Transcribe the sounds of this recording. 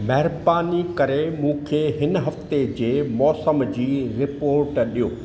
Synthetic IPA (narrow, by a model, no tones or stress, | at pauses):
mɐɦɪɾbaːnikɐɾemũːkʰeːɦɪnɦɐft̪ed͡ʑeːmɔːsəmd͡ʑiːɾɪpoːɾʈɗijoː